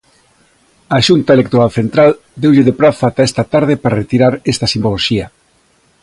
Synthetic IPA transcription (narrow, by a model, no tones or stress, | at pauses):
aʃunt̪aelek̚t̪oɾalθent̪ɾal | d̪ewʎɪðepɾaθat̪aest̪at̪aɾðepaɾaret̪iɾaɾest̪ɐsimboloʃiɐ